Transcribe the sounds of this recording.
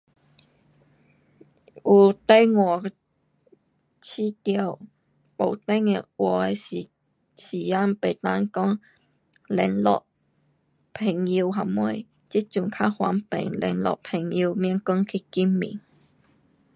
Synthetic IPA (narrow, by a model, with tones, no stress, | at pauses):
ʔu˨˩t̪e˦jŋwɔ˨ | t͡ɕʰi˦t̪jə˧w | po˨wt̪e˦jŋɛ˧˨ʔʔwɔ˧e˧si˨ | si˨ja˧˨mpe˨t̪a˦˥ŋkɔ˦ŋ | lɛ̰˨˧˦nlɔ̰˧˨ʔ | pʰe˨ŋji˧wɦa˧˨mu˧˥˦j | t͡ɕi˦˥t͡ɕu˨ŋkʰa˦˥hwa˧˦mpe˨˩lɛ̰˨˧˦nlɔ̰˧ʔpʰe˨˩ŋji˧wmi˧ə˧ŋkə˦˥ŋkʰi˧ki˦mːḭ˨ŋ